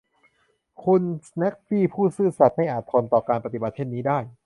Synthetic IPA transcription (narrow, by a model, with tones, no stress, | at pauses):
kʰu˧nnɛ˦˥k̚fiː˥˩pʰuː˥˩sɯː˥˩sa˨˩t̪̚ma˥˩jʔaː˨˩t̪̚ʰo˧nt̪ɔː˨˩kaː˧npa˧t̪i˩ba˨˩t̪̚t͡ɕʰe˥˩nːiː˦˥daː˥˩j